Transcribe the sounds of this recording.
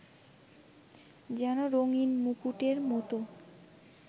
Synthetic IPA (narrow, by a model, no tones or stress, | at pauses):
d͡ʑɛnoɾoŋinmukuʈeɾmɔt̪o